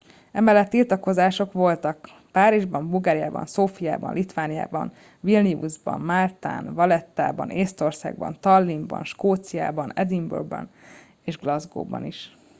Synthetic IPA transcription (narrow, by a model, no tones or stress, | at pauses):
ɛmɛlːɛt̪ːilt̪ɒko̞zaːʃo̞kʋo̞lt̪ɒk | paːɾiʒbɒmbulɡaːɾija̰ːbɒ̰nsoːfija̰ːbɒ̰nlʔit̪ʋaːnija̰ːbɒ̰n | vilniuzbɒ̰mmaːlt̪a̰ːnvɒlɛt̪ːa̰ːbɒneːst̪o̞rsa̰ːɡ̚bɒ̰nt̪ɒlːimbɒ̰nʃkoːt̪sija̰ːbɒnɛd̪imbṵrɡbɒ̰n | eːʒɡlɒzɡo̰ːbɒ̰niʃ